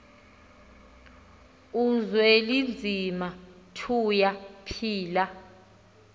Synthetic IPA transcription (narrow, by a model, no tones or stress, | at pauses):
uzwelind͡zʱima | tʰujapʰiːla